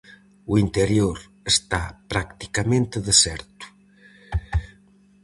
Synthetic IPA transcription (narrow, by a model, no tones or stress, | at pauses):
uint̪eɾjoɾ | est̪apɾakt̪i̥kamẽnt̪əðesɛɾt̪u̥